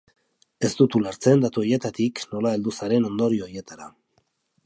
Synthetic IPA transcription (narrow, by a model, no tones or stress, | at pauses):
e̞st̪ut̪ulaɾt͡se̞nd̪at̪uo̞je̞t̪at̪ikno̞lae̞ld̪usaɾe̞no̞nd̪o̞ɾioje̞t̪aɾa